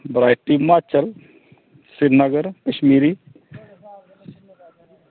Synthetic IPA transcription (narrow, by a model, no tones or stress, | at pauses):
bɾaːjʈʈːimːaːt͡ʃɐl | siɾnɐɡəɾkəʃmiːɾi